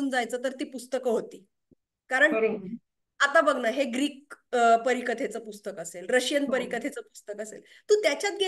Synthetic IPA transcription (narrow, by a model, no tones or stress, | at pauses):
uːnd͡zajt͡səːt̪əɾt̪iːpust̪əkəɦot̪iː | kaɾəɳ | at̪abəɡnəɦeɡɾiːk̚pəɾikət̪ʰet͡səpust̪əkəselɾəɕjənpəɾikət̪ʰet͡səpust̪əkəsḛl | t̪ũːt̪jat͡ɕjat̪̚ɡʱe